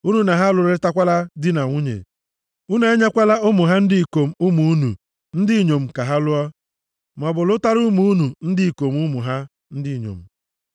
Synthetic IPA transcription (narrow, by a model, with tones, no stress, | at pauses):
u˦nu˦na˨ɦa˦˨lʊ˨ɾe˦ta˦kʷa˦la˦dɪ˦na˨ŋʷu˦ɲḛ˨ | u˦n˦a˦ɲa˦kʷa˦la˦ʊ˦mʊ˨ɦa˦n̩˦dɪ˦i˨ko˨m̩˦u˦mu˨˦u˦nṵ˨ | n̩˦dɪ˦˨ɲo˨m̩˨ka˨ɦa˦lʊ˦ɔ˦ | m˨ɔ˨bʊ˨lʊ˦ta˦ɾu˦mu˦u˦nu˨n̩˦dɪ˦i˨ko˨m˦ʊ˦mʊ˨ɦa˦ | n̩˦dɪ˦˨ɲo̰˨m̩˨